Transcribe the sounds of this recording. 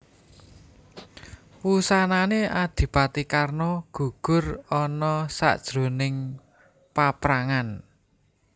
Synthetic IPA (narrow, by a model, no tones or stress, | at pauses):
wusananead̪̥i̤pat̪ikarnɔɡ̥ṳɡ̥ʊ̤rɔnɔsa̰ʔd̥ʒ̥ɾo̤nɪŋ | papɾaŋan